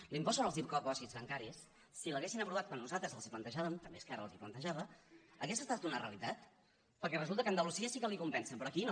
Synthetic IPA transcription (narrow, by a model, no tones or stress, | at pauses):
limpɔsonəlˠzðip̚kɔkɔsizβəŋkaɾisː | iləɣesinəpɾuβat̪̚kwanːuzalˠt̪ɾəzəlˠziplənt̪əʒaβəmt̪əmbḛskaɾə̰lˠziplənt̪əʒaβəəkɛsəst̪at̪unərḛə̰lit̪at̪ | pəɾkɛrəzulˠt̪əkənd̪əlusiəsikəlikumpɛnsəmpɾɔːkin